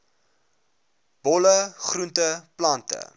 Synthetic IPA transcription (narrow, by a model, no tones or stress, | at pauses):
b̥ɔləχruntəplɐntə̰